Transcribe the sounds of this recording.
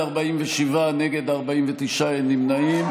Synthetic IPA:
aʁbaimveʃivaneɡe̞d̪aʁbaimvet̪iʃaenimnaim

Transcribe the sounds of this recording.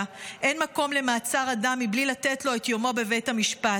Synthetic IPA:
ʔe̞nmako̞mle̞maːt͡saʁadamːiblilatetlo̞et̪jo̞mo̞be̞ve̞jthamiʃpa

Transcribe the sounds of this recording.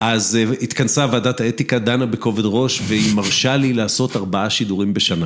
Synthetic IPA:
ʔazit̪kansavaːd̪at̪aet̪ikad̪anabe̞ko̞ve̞d̪ʁo̞ʃveimaʁʃalilaːso̞t̪aʁbaaʃid̪uʁimbe̞ʃana

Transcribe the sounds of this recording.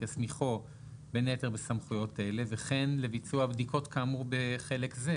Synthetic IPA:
jasmiχo | beneteʁbesamχujo̞taele̞veχe̞nle̞vit͡suabdikʰo̞tkamubeχe̞le̞kze

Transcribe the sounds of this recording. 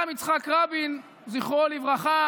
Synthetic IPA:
amit͡sχakʁabin | ziχʁolivʁaχa

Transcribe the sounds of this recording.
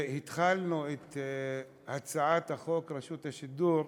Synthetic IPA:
hit̪χalnuet̪ | hat͡saʕat̪haχo̞kʁeʃut̪haʃid̪uɾ

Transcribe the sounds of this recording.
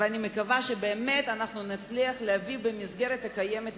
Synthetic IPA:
vanʲimekavaʃebeːme̞t̪anaχnunat͡sliaχleavibemisɡe̞ɾet̪akajemet̪

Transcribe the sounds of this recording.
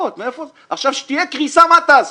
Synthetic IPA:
ot̪meefo | aχʃavʃe̥t̪ijekʁisamat̪az

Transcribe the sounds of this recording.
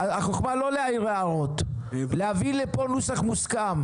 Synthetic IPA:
aaχoχmalo̞leajiʁeaʁo̞t̪ | leavileponusaχmuskam

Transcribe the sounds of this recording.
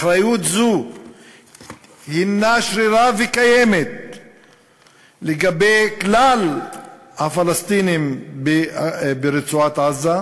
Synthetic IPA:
aχɾajut̪zu | hinaʃɾiɾavekajemet̪̚ | leɡabejklal | hafalast̪inimbebeɾet͡suat̪ʕaza

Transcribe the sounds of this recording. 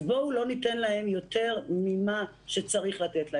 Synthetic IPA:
boulo̞nit̪enlahe̞mjo̞t̪e̞ʁmima | ʃet͡saʁiχlat̪etla

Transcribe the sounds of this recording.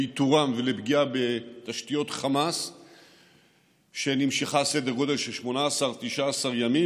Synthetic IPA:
it̪uʁamvelebɡiabe̞t̪aʃtijo̞t̪χamas | ʃe̞nimʃiχase̞d̪eʁɡo̞d̪e̞lʃelʃmo̞naːsaʁt̪iʃaːsaʁjami

